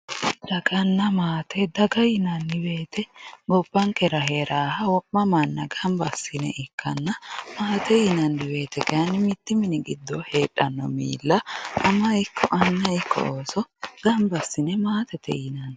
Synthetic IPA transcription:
d̪̥ɐɡɐnːɐmaːt̪ɛd̪ɐɡɐjɪnɐnːɪweːt̪ɛɡɔbːɐŋkɛɾɐɦeːɾaːhɐwɔʔːɐmɐnːɐɡɐmbɐsːɪnɛ̰ʔɪkʰːɐ̰nːɐmaːt̪ɛjɪnɐndɪwe̞ːt̪ɛkɐɐnːɪmɪt̪ːɪmɪnɪɡɪd̪ːɔheːᶑɐnːɔ̰mḭːlːɐʔɐmɐɪkʰːɔʔɐnːɐɪkʰːɔ̰oːsɔɡ̥ɐmbɐsːɪnɛmaːt̪ɛt̪ɛ̰jɪnɐn

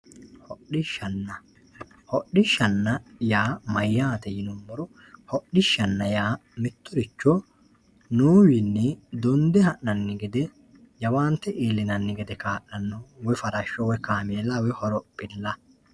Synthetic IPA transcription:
hɔɗɪʃɐnːɐ | hɔɗɪʃːɐnːɐjaːmɐjːaːt̪ɛjɪnɔmːɔɾɔ | hɔɗɪʃːɐnːɐjaːmɪt̪ːʊɾɪt͡ʃːɔ | nuːwɪnːɛd̪ɔnd̪ɛhɐʔnɐnːɪɡɛd̪ɛ | jɐwaːnt̪ːɛʔeːlːɪnɐnːɪɡɛd̪ɛkaːʔɐnːɔwɔfɐɾɐʃːɔwɛkaːmeːlːɐwɔhɔɾɔpʼːɪlːɐ

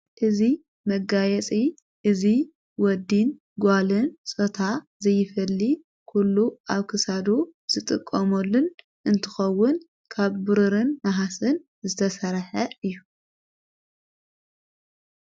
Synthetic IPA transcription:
ʔɨzi | mɐɡajɛt͡sʼi | ʔɨzi | wɔd̪in | ɡʷalɨnsʼot̪ʰa | zɐjːɪfɐlːi | kʰulːuaβkʰɨsad̪uz̥ɨt̪ʼɨkʼːɐmɐlːun | ʔɨnt̪ʰɨ̥xɐwːʊn | kʰaβbɨɾɨɾɨnnaɦasɨn | zɨt̪ʰɐsɐɾħɐɨjːu

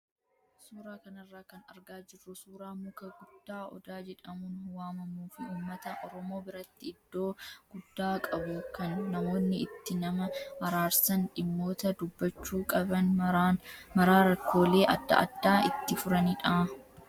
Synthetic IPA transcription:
suːɾaːkɐnɐrːaːkɐnɐɾɡaːd͡ʒɪrːʊsuːɾaːmʊkɐɡʊd̪ːaːɔ̰d̪aːd͡ʒɛᶑɐmʊnwaːmɐmuːfɪuːmːɐt̪ɐʔɔɾɔmo̞ːbɪɾɐt̪ːɪɪd̪ːo̞ːɡ̥ʊd̪ːaːkʼɐbʊkɐnːɐmo̞ːnːɪɪt̪ːɪnɐmɐhɐɾaːɾsɐnᶑɪmːo̞ːt̪ɐd̪ʊbːɐt͡ʃːuːkʼɐbɐn | mɐɾaːɾɐkːo̞ːle̞ːʔɐd̪ːɐ̰ɐ̰d̪ːaːɪt̪ːɪfʊɾɐniːᶑa

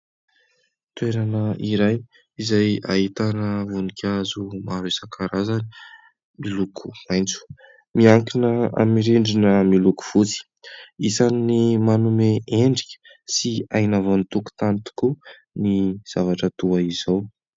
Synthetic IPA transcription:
t̪weɾanəiɾaj | izaja̰ɦit̪anəvunikʲʰazumaɾesakʰaɾazani̥ | milukʰu̥majnt͡su̥ | miaŋkinəa̰miɾeɳɖ͡ʐinəmiluku̥v̥ut͡si̥ | isannimanumeeɳɖ͡ʐikʲə̥ | siajnavonit̪uku̥t̪ant̪i̥ku | niz̥avaʈ͡ʂət̪uaizaw

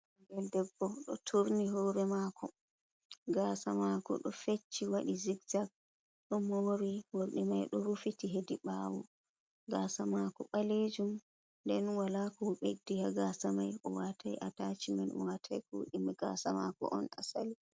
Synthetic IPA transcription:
ŋɡɛldɛbːɔɗɔtʰuɾniɦɔɾɛmakʰɔ | ɡasamakɔ̰ɗɔfet͡ʃːiwaɗiziɡzak̚ | ɗɔmɔwoɾiwoɾɗimajɗɔɾufitiɦediɓawɔ̰ | ɡasamakɔɓaled͡ʒum | ndɛnwalakɔɓedihaɡasamajʔɔwatʰajʔatat͡ʃimanɔwatʰa̰jkuɗimɛɡa̰sama̰kɔ̰ʔɔ̰nasali

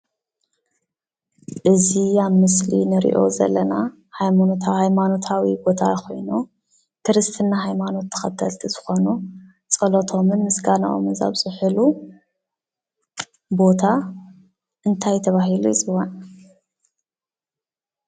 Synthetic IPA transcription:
ʔɨzijaβmɨslḭnɨɾḭʔo̞̰zɐ̰lːɐna | hajmanot̪ʰahajmano̞t̪ʰawibo̞t̪ʰaxo̞̰jnu | kɨɾɨst̪ʰɨnːaɦajmano̞t̪ʰːɐ̥xɐt̪ʰɐlt̪ʰizɨxo̞nu | t͡sʼɐlot̪ʰo̞mɨnmɨsɡana̰ʔo̰mɨnza̰βsʼɨħɨlu | bo̞t̪ʰa | ʔɨnt̪ʰajt̪ʰɐβaɦilujɪt͡sʼɨwːan

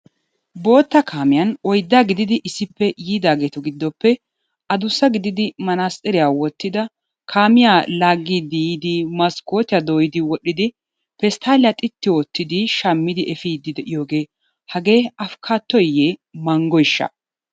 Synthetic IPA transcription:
bo̞ːt̪ːɐkʰaːmɪjɐnɔjd̪ːaːɡɪd̪ɪd̪ɪʔɪsːɪpːɛjiːd̪aːɡe̞ːt̪ɔɡɪd̪ːɔpːɛ | ʔɐd̪ʊsːɐɡɪd̪ɪd̪ɪmɐnaːsʼɛɾɪjawɔt̪ːɪd̪ɐ | kʰaːmɪjalaːɡːiːd̪ɪjiːd̪ɪmɐskːo̞ːt̪ɪjɐd̪oːjɪd̪ɪwɔɗɪd̪ɪ | pɛst̪ʰaːlɪjɐt̪ʼɪt̪ːɪwot̪ːɪd̪ɪʃɐmːɪd̪ɪʔɛfiːd̪ɪd̪ɛʔɪjo̞ːɡe̞ː | hɐɡe̞ːɐfkʰaːt̪ːɔjeːmɐŋɡɔjɪʃːɐ̰

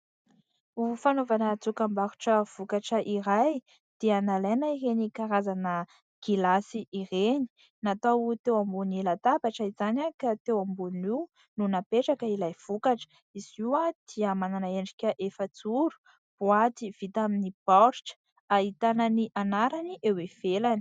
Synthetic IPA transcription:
ufanovanət͡sukambaɾuʈ͡ʂəv̥ukaʈ͡ʂəʔiɾaj | d̪̥ianalenaiɾenikaɾazanə | ɡ̥ilasiʔːɾeni̥ | nat̪awut̪ewambunilat̪abaʈ͡ʂəiz̥anakat̪ewambuniw | nunapeʈ͡ʂakəilajv̥ukaʈ͡ʂə̥ | iziwad̪̥iamananaeɳɖ͡ʐikʲəʔefət͡suɾu̥ | b̥uat̪iv̥it̪aminibɔɾʈ͡ʂə̥ | aɦit̪anəniʔanaɾaniʔewev̥elani̥

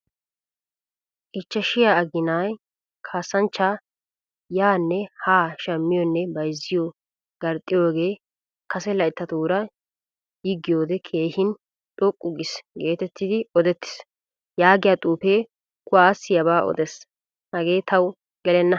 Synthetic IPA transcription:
ʔɪt͡ʃːɐʃɪjaɐɡɪnaːj | kʰaːsːɐnt͡ʃːaː | jaːnːɛhaːʃɐmːɪjɔnːɛbɐjzːɪjo | ɡ̥ɐɾt̪ʼːɪjoːɡe̞ː | kɐsɛlɐɪt̪ːɐt̪uːɾɐ | jiɡːɪjo̞ːd̪ɛkʰe̞ːhɪn | t̪ʼɔkʼːʊɡɪsɡe̞ːt̪ɛt̪ːɪd̪ɪɔd̪ɛt̪ːɪ̥s | jaːɡɪjat̪ʼuːpeː | kʊaːsɪjɐbaːʔɔ̰d̪ɛs | hɐɡe̞ːt̪ɐw | ɡɛlɛnːɐ

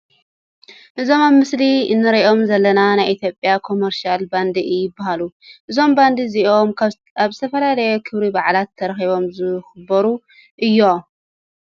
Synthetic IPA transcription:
ʔɨzo̞maβmɨsliɨnːɨɾɐʔo̞mzɐlːɐnanajʔit̪ʰjo̞pʼːijakʰo̞meɾʃalband̪ijɪbːahaluʔɨzo̞mband̪iziʔo̞m | aβzɨt̪ʰɐfɐlalɐjo̞kʰɨβɾibaʕlat̪ʰːɐɾɐxiβo̞mzɨxɨbɐɾu | ʔɨjːo̞

